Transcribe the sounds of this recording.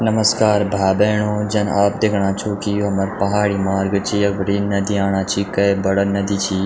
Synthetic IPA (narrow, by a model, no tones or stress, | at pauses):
nəməskaːɾbʱaːbeːɳoːd͡ʒɐnaːp̚d̪eːkʰɳ̃ãːt͡ʃʰoːkijuɐmɐɾpɐɦaːɽiːmaːɾɡt͡ʃʰiɐbɾiːnɐd̪iaːɳ̃ãːt͡ʃʰikɐjbɐɽənɐd̪iːt͡ʃʰiː